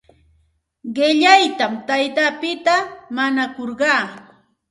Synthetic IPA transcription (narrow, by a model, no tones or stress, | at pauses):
ɢɪʎajt̪amt̪ajt̪apɪt̪amanakoɾɢɑː